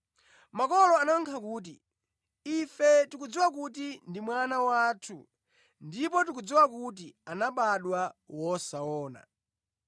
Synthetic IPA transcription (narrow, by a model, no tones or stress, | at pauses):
makɔlɔanaŋkʰakuːt̬i | ifɛtikud͡ziwak̬ut̬indimwanawaːtʰu | ndipɔt̬ikud͡ziwak̬ut̬ianaɓaɗwawɔsaɔːna̰